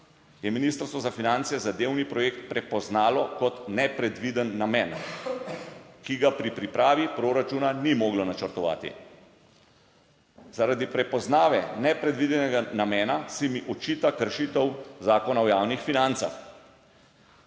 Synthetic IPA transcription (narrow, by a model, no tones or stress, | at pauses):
jɛminiːst̪əɾst̪ʋɔzafinant̪sɛzad̪eːwnipɾɔjeːkt̪̚pɾɛpɔznaːlɔkɔt̪nɛpɾɛd̪ʋid̪ənːamɛːn | kiɡapɾipɾipɾaːʋipɾoːɾat͡ʃunanimoːɡlɔnat͡ʃəɾt̪ɔʋa̰ːt̪ḭ | zaɾad̪ipɾɛpɔznaːʋɛnɛpɾɛd̪ʋid̪ɛnɛɡanamɛːnasimiʔɔt͡ʃiːt̪akəɾʃit̪əwzaːkɔnawjaːwnixfinant̪sa̰x